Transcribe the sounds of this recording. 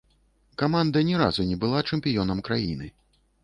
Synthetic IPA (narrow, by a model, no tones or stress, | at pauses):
kamand̪ɐnʲɛɾa̰zunʲɛbɨlˠat͡ʂɛmʲpʲijɔnɐmkɾajinɨ